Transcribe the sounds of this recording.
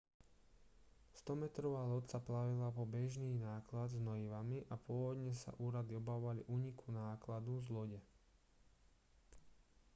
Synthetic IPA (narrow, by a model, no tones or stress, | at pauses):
st̪ɔmɛt̪ɾɔʋaːlɔt̪saplaʋilapɔbɛʒniːnaːklad̪znɔiʋamiʔapʊɔʋɔd̪ɲɛsa̰ʔuːɾad̪iɔbaɔʋaliʔuːɲikʰunaːklad̪uzlɔɟɛ